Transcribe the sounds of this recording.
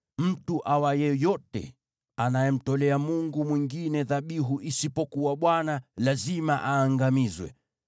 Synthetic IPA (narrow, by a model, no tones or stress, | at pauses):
m̩tuʔawajɛjɔtɛ̰ | anajɛm̩tɔlɛamuŋɡumwiŋɡinɛðaɓiɦuʔisipɔkuwaɓwanalazimaʔaːŋɡamizwɛ̰